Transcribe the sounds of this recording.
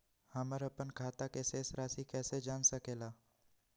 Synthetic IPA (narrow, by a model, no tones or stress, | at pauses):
hɐməɾəpənkʰaːt̪akeseːsɾaːsikɛːsed͡ʒaːnsəkeːlaː